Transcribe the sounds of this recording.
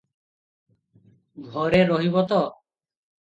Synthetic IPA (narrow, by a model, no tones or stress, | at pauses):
ɡʱɔɾeɾɔɦibɔt̪ɔ